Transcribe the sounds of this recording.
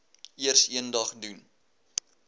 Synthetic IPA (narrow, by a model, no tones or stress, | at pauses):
iərsiəndɐχdun